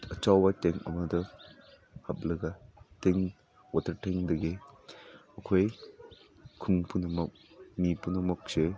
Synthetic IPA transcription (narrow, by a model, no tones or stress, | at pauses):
ɐt͡ʃawbɐteŋɐ̰mɐdɐ | hɐp̚lɐɡɐteŋ | watɐɾtʰeŋdɐɡe | ɐkʰoj | kʰuŋpʰunɐmɐk̚mipʰunɐmɐk̚se